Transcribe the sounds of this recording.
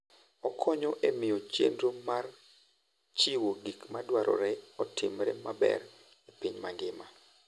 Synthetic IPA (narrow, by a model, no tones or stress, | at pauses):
ɔkʰɔɲɔʔemɪjot͡ʃḛndɾomar | t͡ʃiwoɡikmadwaɾʔɔ̰ɾɛɔtʰɪmɾɛmabɛ̰r | ipiɲmaŋɡɪma